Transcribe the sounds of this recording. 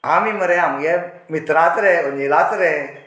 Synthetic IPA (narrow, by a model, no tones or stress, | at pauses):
amiməɾɛamɡɛ | mit̪ɾat̪ɾeənilat̪ɾɛ